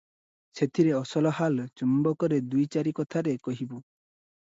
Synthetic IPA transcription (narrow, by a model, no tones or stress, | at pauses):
set̪ʰiɾeɔsɔlɔɦalt͡ʃumbɔkɔɾed̪ujt͡ʃaɾikɔt̪ʰaɾekɔɦibu